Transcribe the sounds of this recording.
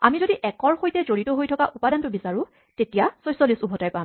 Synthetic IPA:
amizodiʔɛkɔɹxojtɛzoɹitɔɦojtʰɔkaʔupadantʊbisaɹʊ̃ | tetijasɔjsɔlisubʱɔtajpã

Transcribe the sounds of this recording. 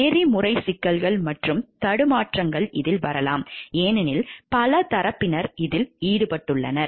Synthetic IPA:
eːrimʊrɐɪsɪkːɐlɣɐɭmɐʈrɯmt̪ɐɽɯmaːʈrɐŋɡɐɭʔɪðɪlʋɐ̰ɾɐlaːmeːnɪnɪlpɐlɐt̪ɐɾɐpːɪnɐɾɪðɪliːɽɯpɐʈːɯɭːɐ̰nɐɾ

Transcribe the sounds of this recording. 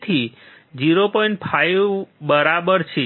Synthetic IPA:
t̪ʰi | d͡ʒiɾopoĩɳʈ̚pʰajbəɾabəɾt͡ʃʰe

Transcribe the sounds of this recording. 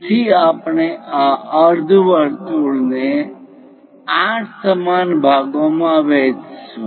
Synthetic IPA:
t͡ʃʰiaːpɳeaəɾd̪ʱuʋəɾt̪uɽne | ãːʈʰsəmaːnbʱaːɡõmãʋeːt͡ʃ

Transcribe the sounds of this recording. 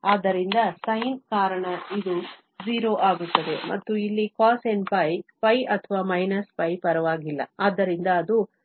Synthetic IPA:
aːd̪ːɐɾind̪ɐsɐjnkaːɾɐɳɐid̪u | d͡ʒiːɾoːʔaːɡut̪ːɐd̪e̞̰mʔɐ̰t̪ːuilːikaːse̞npɐjpɐjɐt̪ʰɐʋaːmɐjnɐspɐjpɐɾɐʋaːɡilːɐ̰aːd̪ːɐɾind̪ɐːd̪u

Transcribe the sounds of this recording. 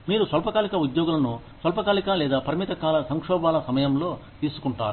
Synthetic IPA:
miːɾusʋɐlpɐkaːlikɐud̪joːɡulɐnu | sʋɐlpɐkaːlikalɛːd̪aːpɐɾimit̪ɐkaːlɐsɐŋkʂɔːbaːlɐsɐmɐjɐmlo̞ːt̪iːsu̥kuɳʈa̰ːɾu

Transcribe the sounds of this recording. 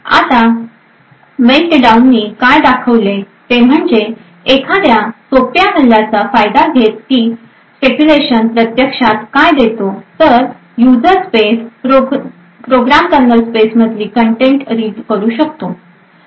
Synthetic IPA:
a̰t̪a | melʈɖaunːiːkajd̪akʰəʋle | t̪em̤əɳd͡zeː | kʰad̪jasopjabʱəllːat͡safajd̪aɡʱet̪̚kiː | spekuleɕənpɾət̪jəkʂat̪kajd̪et̪ot̪əɾ | jud͡zəɾspesɾo | pɾoɡɾamkəɾnəlspesməd̪ʱliːkəɳʈeɳʈɾiːʈkəɾuːɕək̚t̪o

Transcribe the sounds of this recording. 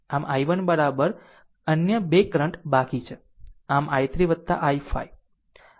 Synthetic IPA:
amajʋənbəɾabəɾ | ənjəbekɾəɳʈbakit͡ʃʰe | amajt̪ɾiʋətt̪ːa̰ʔaifʰa̰j

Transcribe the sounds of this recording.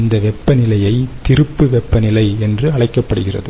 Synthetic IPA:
nd̪ɐʋɛpːɐnɪlɐjɐɪt̪ɪɾɯpːɯʋɛpːɐnɪlɐɪɛndrɯɐɭɐɪkːɐpːɐɽɯɣɪrɐ̰ðɯ

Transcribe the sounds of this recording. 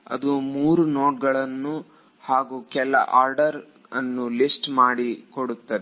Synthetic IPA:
ɐ̰d̪umuːɾunoːʈɡɐɭɐnːu | haːɡukɛlːɐ̰ʔaːɾɖɐɾ | ɐnːulisʈmaːɽikoɽut̪ːɐd̪ɛ

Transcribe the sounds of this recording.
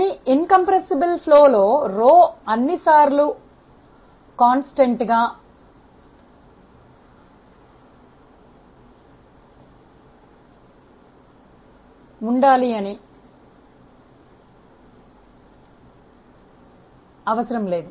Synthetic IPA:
niiŋkɐmpɾɐsibɐlpʰloːlo̞ːɾoːɐnːisaːɾlu | kaːnsʈeɳʈɡaː | uɳɖaːliɐni | ɐʋɐsɐɾɐmle̞ːd̪u

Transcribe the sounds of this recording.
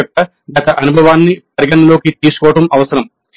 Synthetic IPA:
ɐkːɐ | ɡɐt̪ɐʔɐnubʱɐʋaːnːipɐɾiɡɐɳɐloːkit̪iːsu̥kɔːɐʈɐmɐʋɐsɐɾɐm

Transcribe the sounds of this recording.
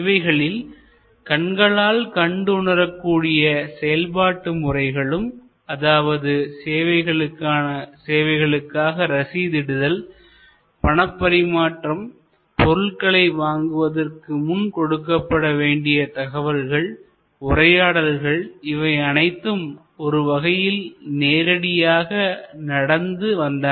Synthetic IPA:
ʋɐɪɣɐɭɪl | kɐɳɡɐɭaːlkɐɳɖɯʊɳɐɾɐkːuːɽɪjɐsɛjɐlpaːʈːɯmʊrɐɪɣɐɭɯm | ɐðaːʋɐðɯseːʋɐɪɣɐɭɯkːaːnɐseːʋɐɪɣɐɭɯkːaːɣɐɾɐsiːðɪɽɯðɐl | pɐɳɐpːɐɾɪmaːʈrɐm | pɔɾɯɭkɐɭɐɪʋaːŋɡɯʋɐðɐrkɯmʊnkɔɽɯkːɐpːɐɽɐʋeːɳɖɪjɐt̪ɐɣɐʋɐɾɣɐɭ | ʊrɐjaːɽɐlɣɐɭɪʋɐɪɐnɐɪt̪ːɯm | ɔɾɯʋɐɣɐjɪlneːɾɐɽɪjaːɣɐnɐɽɐnd̪ɯʋɐnd̪aː

